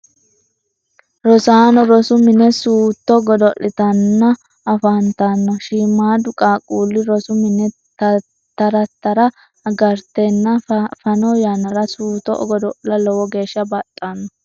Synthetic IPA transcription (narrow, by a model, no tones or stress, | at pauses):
ɾɔsaːnɔɾɔsʊmɪnɛsuːt̪ːɔɡɔd̪ɔʔɪt̪ɐnːɐ | ɐfɐnt̪ɐnːɔʃiːmːaːd̪ʊkʼaːkʼuːlːɪɾɔsʊmɪnɛ | t̪ | t̪ːɐɾɐt̪ːɐɾɐ | ɐɡɐɾt̪ɛnːɐfɐnɔjanɐɾɐsuːt̪ːɔɔ̰ɡɔd̪ɔʔlɐlɔwɔɡe̞ːʃːɐbɐt̪ʼːanːɔ